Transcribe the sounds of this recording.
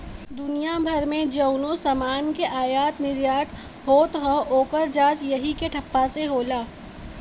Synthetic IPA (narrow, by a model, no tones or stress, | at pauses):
d̪ʊnijabʱɐɾmẽd͡ʒəʊnõsɐmaːnkeʔaːjaːt̪nɪɾjaːʈʰ | ɦoːt̪ɦoʔoːkəɾd͡ʒaːt͡ʃjɐɦikeʈʰɐpːaseɦoːlaː